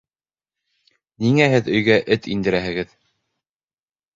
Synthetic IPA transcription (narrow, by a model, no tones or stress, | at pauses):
niŋæhɘðɵ̆jɡæʔɘt̪ind̪ɘ̆ɾæɦɘ̆ɡɘð